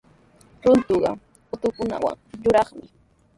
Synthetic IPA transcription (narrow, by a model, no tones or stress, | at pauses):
ɾʊnt̪ʊɢɑ | ʊt̪ʊkʊna̰wa̰ŋjʊɾɑχmɪ